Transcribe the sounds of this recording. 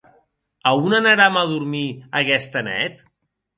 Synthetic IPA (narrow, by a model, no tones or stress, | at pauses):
əunənəɾaməðuɾmiəɣɛst̪ənɛ̰t̪